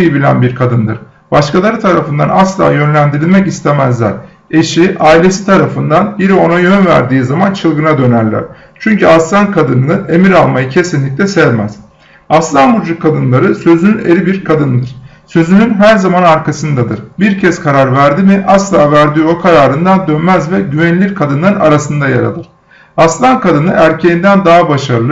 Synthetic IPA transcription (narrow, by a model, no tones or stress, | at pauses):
jibilʲæ̰nbiɾkʰad̪ɯnd̪ɯɾ̥ | b̥aʃkalˠaɾɯt̪ʰaɾafɯnd̪anaslˠa̰ːjø̞nlʲænd̪iɾilʲmɛcist̪ʰemæzlʲæ̰ɾ̥ | e̞ʃiʔaːilʲe̞si̥t̪ʰaɾafɯnd̪anbiɾio̞najø̞nvæ̰ɾd̪iːzamant͡ʃʰɯlˠɡɯnad̪ø̞næɾlʲæ̰ɾ̥ | t͡ʃʰyɲcʰyaslˠankʰad̪ɯnɯnɯʔe̞miɾalˠmajɯcʰe̞sinlʲic̚ʲlʲɛsɛvmæz̥ | aslˠanbuɾd͡ʒukʰːad̪ɯnlˠaɾɯsø̞zynynḛɾibiɾkʰad̪ɯnd̪ɯɾ̥ | sø̞zynynɦæɾzamanaɾkʰasɯnd̪ad̪ɯɾ̥biɾcʰɛz̥kʰaɾaɾvæɾd̪imɪʔaslˠaːvæɾd̪ijokʰaɾaːɾɯnd̪and̪ønmæzvɛɟyvenilʲiɾkʰad̪ɯnˠaɾɯna̰ɾasɯnd̪aja̰ɾa̰lˠɯɾ̥ | aslˠankad̪ɯnɯʔæɾcʰejind̪ænd̪aːɦabaʃaɾɯlˠɯ